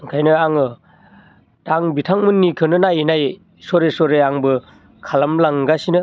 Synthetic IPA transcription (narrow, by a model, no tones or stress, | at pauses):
ɯŋkʰajnɯaŋɯ | taŋbitʰaŋmɯnːikʰɯnɯnajinaj | sɔɾesɔɾeaŋbɯ | kʰalamlaŋɡasinɯ